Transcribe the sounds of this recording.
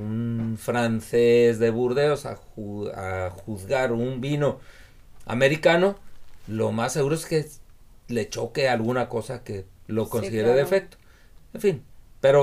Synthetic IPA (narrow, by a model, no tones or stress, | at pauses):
unfɾansesðe̞βuɾðeosa̰ | a̰xuðɣaɾumbino̞ | a̰me̞ɾikano̞lo̰masːeɣuɾoeske̞le̞t͡ʃo̞ke̞alɣunako̞sake̞lo̞ko̞nsiðeɾeðefek̚t̪o̥ | enfinpe̞ɾo